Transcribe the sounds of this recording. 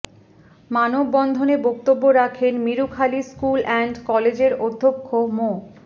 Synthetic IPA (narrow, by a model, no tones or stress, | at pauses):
manobːɔnd̪ʱonebokt̪obːoɾakʰenmiɾukʰaliskulɛɳɖkɔled͡ʑeɾod̪ʱːokʰːomo